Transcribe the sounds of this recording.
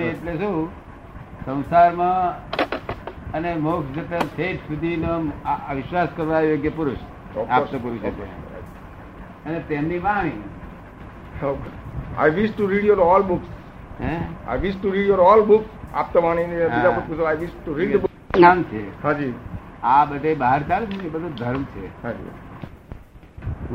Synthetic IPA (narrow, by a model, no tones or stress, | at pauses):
neeʈlesu | sə̃w̃saɾmã | ənemoksd͡ʒepensʰeʈsud̪ʱinoʋɪʃʋaskəɾʋajoeɡjepʊɾʊʃ | ɔat̪opuɾiʃəkḛ | ənet̪emniʋaɽ̃i | oka̰jʋisʈʈːuɾiɖjoɾɔlbʊks | ɦɛ̃a̰jʋisʈuɾiɖjoɾɔlbʊksa̰p̚t̪oʋaɽ̃inebiaupusoajʋisʈʈuɾiɖb | amt͡ʃʰehad͡ʒiabəʈebaɦəɾkalsuibəd̪d̪ʱəɾmt͡ʃʰḛaḭ